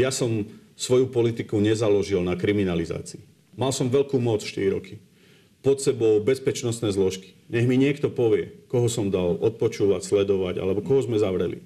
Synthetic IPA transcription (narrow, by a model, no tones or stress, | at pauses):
jasɔm | sʋɔjupɔlit̪ikuɲɛzalɔʒilnakɾiminaliza̰ːt͡siː | malsɔmʋɛʎkuːmɔt͡sfʃt̪iɾiɾɔki | pɔt̪sɛbɔʊbɛspɛt͡ʃnɔst̪nɛːzlɔʃki̥ɲɛɦmiɲɪɛkt̪ɔpɔʋɪɛkɔɦɔsɔmd̪alɔt̪̚pɔt͡ʃuːʋacslɛd̪ɔʋaɟa̰lɛbɔkɔɦɔzmɛzaʋɾɛlḭ